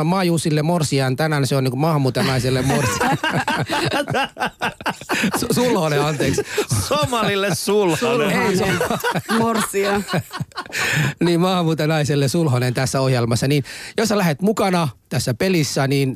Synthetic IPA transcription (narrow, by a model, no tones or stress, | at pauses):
mɑːjuːsilːemorsiɑnt̪ænænseoniŋkumɑːhɑmːuːt̪ɑnɑiselːemmorsiɑ | ssulhoneɑnt̪eːkssomɑlilːessulhoe | morsiɑ | niːmmɑːhɑmːuːt̪ɑnɑiselːesulhonent̪æsːæohjelmɑsːɑninjosːɑlæhet̪mukɑnɑt̪æsːæpelisːæniːn